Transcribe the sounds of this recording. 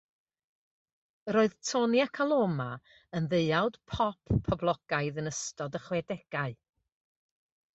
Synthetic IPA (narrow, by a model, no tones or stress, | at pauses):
ɾoːɨðtʰonjakʰalˠoma | ənðeɨawd̥pʰɔpʰːɔblˠɔɡ̥aɨðənəstɔdəχwɛdɛɡ̥aɨ